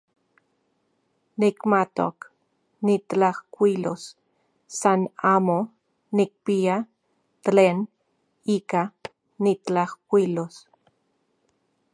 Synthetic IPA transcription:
nikmat̪o̰k | nit̪t͡ɬahkʷilos | sanaːmo | nik̚pia | t̪leːn | iːka | nitt͡ɬahkʷilos

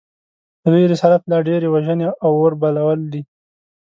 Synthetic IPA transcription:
əd̪ujɾɪsaɾat̪lɑɖeɾewaʒəneʔawoɾbalawəld̪i

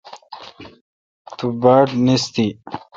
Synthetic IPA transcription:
t̪ubaːʈnist̪i

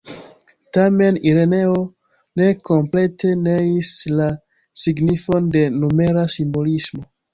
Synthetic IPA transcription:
tame̞niɾe̞ne̞o̞ | ne̞ko̞mple̞tʰe̞neisla | siɡnifo̞nde̞nume̞ɾasimbo̞lismo̞

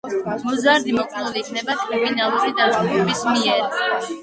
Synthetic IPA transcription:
mɔzaɾd̪imɔkʼluliːkʰnɛbat̪ʼɾiminalˠuɾid̪at̪sʼɡʼupʰʼɛbismiɛɾ

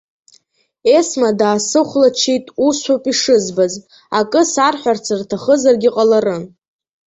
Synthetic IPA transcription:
e̞smadaːsɨχʷlat͡ʃʰijtʼusʷapʼiʂɨzbaz | akʼɨsarħʷᶣart͡sʰartʰaχəzarɡʲiqʼalaɾɨ

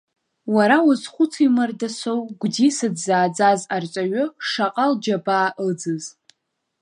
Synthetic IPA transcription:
waɾawʊzχʷʊt͡sʰimardasowɡ̥ʷdisɨdzaːd͡zazart͡ʃʷʼaɥʊʂaqʼald͡ʒabaːʔəd͡zɨz

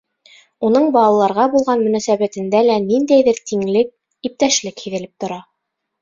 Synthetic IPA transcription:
unɤɴbɑlˠɑlˠɑɾʁɑbulˠʁɑnmɵ̆næsæβæt̪ɘ̆nd̪ælænind̪æjðɘɾt̪ʰiŋlɘk̚ | ip̚t̪æʃlɘkhiðɘ̆lɘp̚t̪ŏɾɑ

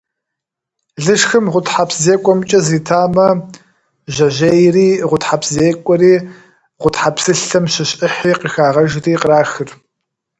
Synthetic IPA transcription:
ɮɨʂxɨmʁʷʊtħapszeːkʷʼɔmt͡ʃʼɐziːtʰaːmɐ | ʑɐʑejriːʁʷʊtħapʰzeːkʷʼɔɾiː | ʁʷʊtħapsɨɬɐmɕɪɕʼʔɪħiːqixaːʁɐʒriːqɾaːxɨr

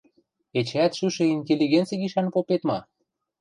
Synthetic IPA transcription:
et͡ɕæt̪ʃyʃĕinʲt̪ʲelʲiɣent͡siɣiʃɑnpopet̪mɑ

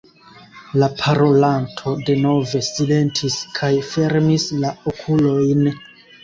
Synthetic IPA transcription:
lapʰaɾo̞lantʰo̞de̞no̞ve̞sile̞ntʰiskʰajfe̞ɾmislaokʰulo̞jn

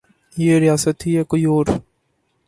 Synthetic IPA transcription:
jeːɾɪjaːsət̪ɦiɛkoioːɾ

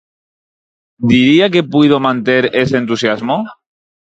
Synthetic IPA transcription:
d̪iɾiake̞pwið̞omãnt̪eɾe̞sent̪usjazmo

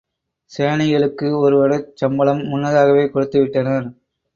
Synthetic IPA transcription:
seːɳɐjɐɭɯkːɯɔɾɯʋɐɾɯt͡ʃɐmbɐɭɐmːʊnːɐðaːɣɐʋeːkɔɽɯt̪ːɯʋɪʈːɐnɐɾ

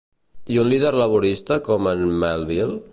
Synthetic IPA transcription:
iunliðeɾləβuɾist̪əkɔmənmalβilˠ

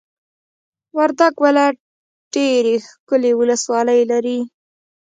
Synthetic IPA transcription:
waɾd̪aɡwala | ɖ̥eɾexkʊlewʊləswɑləjlaɾi

